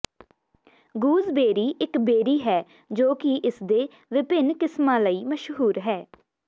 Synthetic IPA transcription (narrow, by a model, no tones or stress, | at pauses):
ɡuːzbeːɾiːʔɪkbeːɾiːɦɛː | d͡ʒoːkɪʔɪsd̪eː | ʋɪpɪnkɪsmãːləiːməʃɦuːɾɦɛː